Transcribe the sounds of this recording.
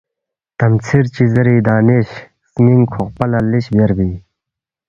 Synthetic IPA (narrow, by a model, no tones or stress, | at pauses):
t̪ɐmt͡sʰiɾt͡ɕizɐɾiːd̪aːneɕ | smiŋkʰoqpɐlɐliɕbeɾbiː